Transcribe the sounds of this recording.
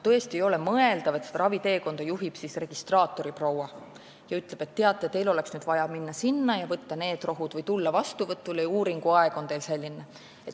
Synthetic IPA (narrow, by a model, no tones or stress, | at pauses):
t̪ɤest̪iejo̞le̞mɤe̞ld̪̥ɑvet̪sed̪ɑɾɑvit̪e̞ːko̞nd̪̥ɑjuɦib̥sisre̞ɡ̥ist̪rɑːt̪ːˑo̞ɾiprowɑ | jɑyt̪ːˑleb̥e̞t̪ːe̞ɑt̪ːˑet̪e̞jlo̞le̞ksnyːd̪̥vɑjɑminːɑsinːɑjɑvɤt̪ːɑne̞ːd̪̥ro̞ɦud̪̥vɤjt̪ulːɑvɑst̪uvɤt̪ːˑulejuːɾiŋɡ̥uɑe̞ɡ̥o̞nt̪e̞jlse̞lʲːinːe | et̪